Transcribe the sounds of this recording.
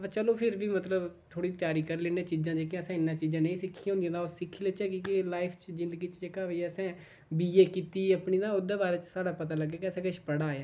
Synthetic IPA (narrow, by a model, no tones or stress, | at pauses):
pat͡ʃəloːpʰɪɾbiːmət̪ləbt̪ʰoːɽiːt̪ɪjaːɾiːkəɾleːneːt͡ʃiːd͡ʒãːd͡ʒeːkjãːsɛ̃ːɪnːãːt͡ʃiːzãːnẽiːsɪkʰːiõːnd̪iãːd̪aːossɪkʰːiːleːt͡ʃɛːkiːkɪlaːɪpʰt͡ʃzɪ̃nd̪əɡiːt͡ʃd͡ʒeːkaːʋeːɛːəsɛ̃ː | biːeːkiːt̪iːəpniːd̪ãːʊd̪aːbaːɾeːt͡ʃsaːɽaːpət̪aːləɡːaːkɪəsɛ̃ːkɪʃpəɽaːaː